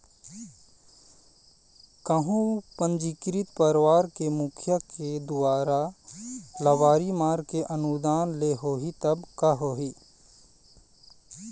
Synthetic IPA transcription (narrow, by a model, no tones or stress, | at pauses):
kəɦũpə̃nd͡ʒikɾit̪pəɾwaːɾkemukʰjəked̪ʊaːɾa | lɐwaːɾimaːɾkeʔɐnud̪aːnleɦoːɦit̪ɐbkaɦoːɦi